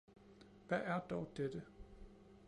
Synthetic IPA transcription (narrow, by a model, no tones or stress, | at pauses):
ʋæʔæɐd̥ɒʊd̥ed̥ə